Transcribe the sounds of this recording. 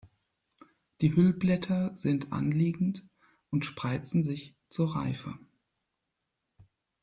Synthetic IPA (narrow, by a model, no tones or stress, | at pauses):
d̥iːhʏlblɛtʰɐz̥ɪntʰʔa̰nliːɡŋ̩t | ʔʊntʃpʁ̥aɪt͡sn̩zɪç | t͡suːɐʁa̰ɪfə̰